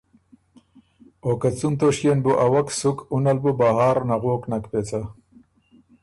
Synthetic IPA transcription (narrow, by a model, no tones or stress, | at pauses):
okɐt͡sunt̪oʂjenbuʔawɐksukunɐlbubaɦaːɾnaɣoːknɐkpet͡sa